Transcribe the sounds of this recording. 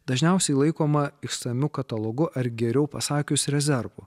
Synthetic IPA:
d̪ɐʒʲnʲɛˑʊsʲɛɪlˠɐɪkoːmɐɪkst̪ɐmʲʊkɐt̪ɐlˠoːɡʊʔɐɾɡʲɛɾʲɛʊpɐsɑːkʲʊsɾʲɛzʲɛɾʋʊ

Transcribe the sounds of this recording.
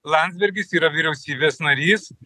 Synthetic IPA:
lˠɑnʲd̪zʲbʲɛɾʲɡʲɪsiːɾɐʋʲiɾʲɛʊsʲiːbʲeːsnɐɾʲiːs

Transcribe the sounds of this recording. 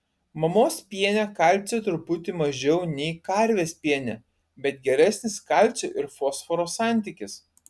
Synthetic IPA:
mɐmoːspʲiɛnʲɛkɐˑlʲsʲɛt̪ɾʊpʊt̪ʲɪmɐʒʲɛʊnʲɛɪkɐɾʲʋʲeːsʲpʲiɛnʲɛ | bʲɛt̪̚ɡʲɛɾʲæsʲnʲɪskɑˑlʲˑt̪t͡ssʲoːʔɪɾfɔːsfɔɾoːsɑˑnʲt̪ʲɪkʲɪs

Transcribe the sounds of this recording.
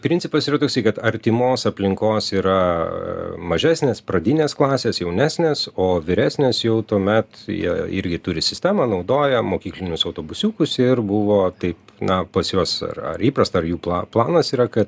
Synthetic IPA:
pʲɾʲɪnʲt͡s̪ʲsʲɪpɐsiːɾɐt̪oːksɐɪkɐt̪ɐɾʲt̪ʲɪmoːsɐpʲlʲɪŋkoːsiːɾɐ | mɐʒʲæːsʲnʲeːspɾɐd̪ʲinʲeːsklˠɑːsʲeːsjɛʊnʲæːsʲnʲeːsoːʋʲɪɾʲæːsʲnʲeːsjɛʊt̪uɔmʲɛt̪jḭɛɪ̰ɾʲɡʲɪt̪ʊɾʲɪsʲɪsʲt̪ʲæːmɑnɐʊd̪oːjɛmoːkʲiːklʲɪnʲʊsɐʊt̪oːbʊsʲuːkʊsɪrbʊʋoːt̪ɐɪpnɐpɐsjuɔsɐ̰rɐ̰ɾiːpɾɐst̪ɐɐɾjuːplˠɑplˠɑːnɐsiːɾɐkɐt̪

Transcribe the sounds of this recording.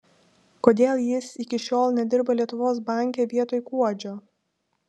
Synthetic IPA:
koːd̪ʲeːlˠjɪsɪkʲɪʃʲoːlˠnʲɛd̪ʲɪɾbɐlʲiɛt̪ʊʋoːs̬bɑˑŋʲkʲeːʋʲiɛt̪oːjkuɔd͡ʒʲoː

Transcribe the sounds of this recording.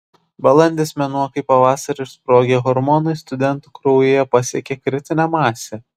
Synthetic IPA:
bɐlˠɐnʲd̪ʲeːsmʲɛnuɔkɐɪpɐʋɑːsɐɾʲɪʃspɾoːɡʲeːɣɔɾmɔnɐɪst̪ʊd̪ʲɛnˑt̪uːkɾoʊjeːjɛpɐsʲiɛkʲeːkɾʲɪt̪ʲɪnʲɛmɑːsʲe

